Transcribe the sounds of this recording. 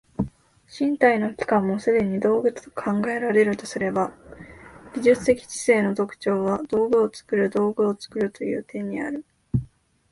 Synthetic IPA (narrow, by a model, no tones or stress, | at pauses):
ɕĩnt̪aino̞kʲi̥kãmːo̞sɨd̪ẽ̞ɲ̟id̪o̞ːɡɯ̟t͡st̪o̥kʰãŋɡae̞ɾaɾe̞ɾɯ̟t̪o̞sɨɾe̞ba | ɡʲiʑɨt͡sɨ̥t̪e̞kʲi̥t͡ɕi̥se̞ːno̞t̪o̞kɯ̟̥t͡ɕo̞ːβad̪̥o̞ːɡɯ̟ot͡sɨ̥kɯ̟ɾɯ̟d̪o̞ːɡɯ̟ot͡sɨ̥kɯ̟ɾɯ̟t̪o̞jɯ̟̰ːt̪ʰẽ̞ɲ̟ːia̰ɾɯ̟